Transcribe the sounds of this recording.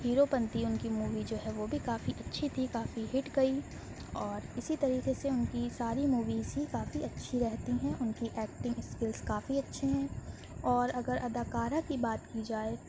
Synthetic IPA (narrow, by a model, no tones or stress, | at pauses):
ɦiːɾopɐ̃nt̪iʊnkimuːʋid͡ʒoːɦɛʋoːbʱikaːfiʔɐtːʃʰit̪ʰikaːfiɦɪʈɡɐi | ɔːɾɪsit̪ɐɾiːqeseʊnkisaːɾimuːʋiːzɦikaːfiɐtːʃʰiɾɛɦt̪iɦɛ̃ʔʊnkiʔɛːk̚ʈɪ̃ŋɡɪskɪlzkaːfiɐtːʃʰeɦɛ̃ː | ɔːɾɐɡəɾʔɐd̪aːkaːɾakibaːt̪kid͡ʒaːe